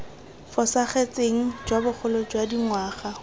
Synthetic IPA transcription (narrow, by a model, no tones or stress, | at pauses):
fɔsaχet͡sʼeŋ̩d͡ʒwabʊχʰʊlɔd͡ʒwadiŋwaːχa